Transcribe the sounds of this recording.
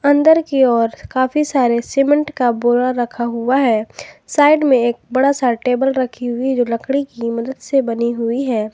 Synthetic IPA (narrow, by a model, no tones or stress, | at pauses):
ɐ̃nd̪əɾkiɔːɾkaːfisaːɾeseːmə̃ɳʈkaboːɾaɾɐkʰaɦʊaɦɛːsaːɪɖmẽeːk̚bɐɽasaʈeːbəlɾɐkʰiɦʊid͡ʒoːlɐkɽ̃ikimɐd̪əd̪sebɐniɦʊiɦɛː